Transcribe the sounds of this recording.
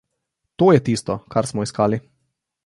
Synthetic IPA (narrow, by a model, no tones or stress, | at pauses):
t̪oːjɛt̪iːst̪ɔkaɾsmɔiskaːli